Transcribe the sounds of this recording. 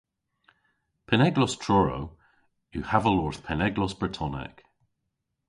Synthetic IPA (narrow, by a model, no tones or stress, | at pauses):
pʰɛnɛɡlɔstʰɹ̥ɔɹo̰ | juhavəlɔɹθpʰɛnɛɡlɔsb̥ɹətʰɔnɛ̰k